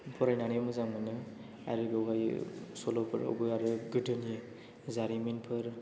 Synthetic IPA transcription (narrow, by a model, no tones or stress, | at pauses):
pʰɔɾajnaniemɯzaŋɯnɯ | a̰ɾɯɡɔwɡajsɔlɔpʰɯɾɔ̰bɯaɾɯɡɯdɯnie | zaɾiminpʰɯɾ